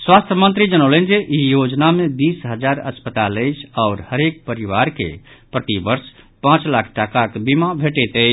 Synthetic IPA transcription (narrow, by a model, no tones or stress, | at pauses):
swast̪ʰjəmə̃nt̪ɾid͡ʒənəʊlənd͡ʒeʔijod͡ʒnamed̪isɦəd͡ʒaɾə̰spət̪aləjt͡ʃʰaʊɾhəɾek̚pəɾiʋaɾkḛpɾət̪ibəɾspãt͡ʃlakʰʈakakbimabʱeʈɛt̪ə